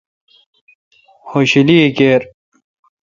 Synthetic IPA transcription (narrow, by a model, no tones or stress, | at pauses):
hoːɕiliekeːɾ